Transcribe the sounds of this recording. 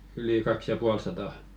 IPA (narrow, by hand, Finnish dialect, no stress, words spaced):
yli kɑks jɑ puɑl sɑtɑˑ